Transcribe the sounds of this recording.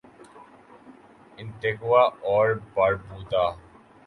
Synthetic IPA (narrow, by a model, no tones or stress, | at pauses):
ɪ̃nt̪ɪkwaɔːɾbɐɾbuːt̪aː